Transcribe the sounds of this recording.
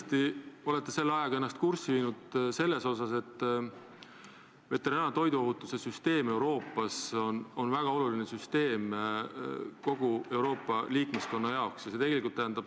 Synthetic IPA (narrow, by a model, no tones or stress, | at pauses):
t̪io̞le̞t̪ːˑe̞se̞lːeɑjɑɡɑe̞nːɑst̪kursiviːnud̪̥se̞lːe̞so̞sɑse̞t̪ː | ve̞t̪ːe̞ɾɑːnɑt̪o̞jd̪uo̞ɦut̪ːˑuse̞syst̪e̞ːme̞wɾo̞ːpːˑɑso̞no̞nvæɡ̥ɑo̞lulinesyst̪e̞ːm | ko̞ɡ̥ue̞wɾo̞ːpːˑɑliːkmesko̞nːɑjɑo̞ksjɑse̞t̪e̞ɡ̥e̞likˑult̪æɦænd̪ɑb̥